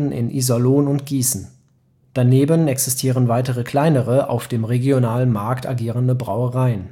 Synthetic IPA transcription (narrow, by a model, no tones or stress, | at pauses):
n̩ʔɪ̰nʔḭzɔloːnʊntɡ̥iːsn̩ | d̥aneːbənɛksɪstʰiːʁ̞ənvaɪtəʁəkl̥aɪnəʁəʔa̰ʊfd̥eːmʁeɡjonaːlənmaɐkta̰ɡiːʁəndəbʁa̰ʊəʁaɪən